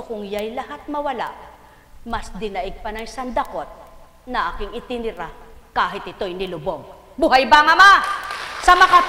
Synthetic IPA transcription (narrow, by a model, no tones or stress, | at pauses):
okʊŋjajlɐhat̪̚mɐwɐla̰ʔ | mɐsd̪ɪnɐʔɪɡ̚pɐnɐjsɐnd̪ɐkot̪̚ | nɐʔakɪŋɪt̪ɪnɪɾakaːɦɪt̪̚ɪt̪o̞jnɪlʊboɡ̚ | bʊɦajbaŋɐmasɐmɐka